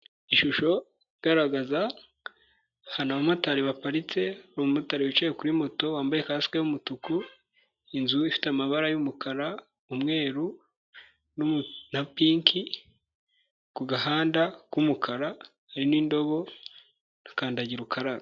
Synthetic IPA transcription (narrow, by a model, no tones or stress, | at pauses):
iʃuʃo̞ | iɡaɾaɡaza | hanaβamataɾiβapaɾit͡se̞ɾumumataɾiβit͡ʃejekuɾimo̞to̞waːmbajekasi̥kejumutuku | inzuifi̥tamaβaɾajumukʰaɾa | umŋe̞ːɾu | nnapiːŋkʰi | kuɡaɦaːndakumukʰaɾa | aɾiniːndo̞βo̞ | nakaːndaɟiɾukaɾaɾ